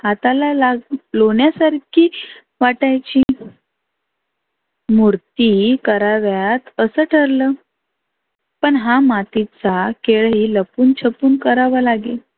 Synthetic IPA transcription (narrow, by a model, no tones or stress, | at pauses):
at̪alalaɡloɳjasaɾkʰiː | ʋaʈajt͡ɕi | muɾt̪iːkəɾaʋjat̪əsəːʈʰəɾləː | pəɳɦamat̪it͡sakeɭɦiːləpuːnt͡ɕʰəpuːnkəɾaʋəlaɡe